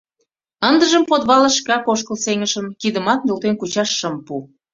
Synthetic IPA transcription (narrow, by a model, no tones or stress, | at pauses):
ənd̪əʒəmpot̪βɑlə̆ʃkɑkoʃkəlseŋəʃəmkid̪əmɑt̪̚nølt̪enkut͡ɕɑʃːə̆mpu